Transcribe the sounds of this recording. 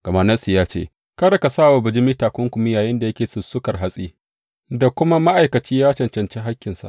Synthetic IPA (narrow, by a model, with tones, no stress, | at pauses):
ɡ̥ɐ˨ma˦nɐ˦si˨jaː˦t͡ʃḛː˦˨ | kɐ˦ɽɐ˨ka˨saː˦˨wa˨bɪ˨d͡ʒɪ˦miː˦taː˨kʷʊ˦ŋkʷʊ˨mɪ˦jaː˨jɪ˦nda˨jɐ˦kʲeː˨sʊ˨sʊ˦kɐ˨rɦa˦sʼḭː˦ | da˨kʷʊ˦ma˦ma˦ʔa˨jkɐ˨t͡ʃiː˦jaː˦t͡ʃɐ˨nt͡ʃɐ˨nt͡ʃe˦ɦa˦kʲːɪ˨nsa̰˨ʔ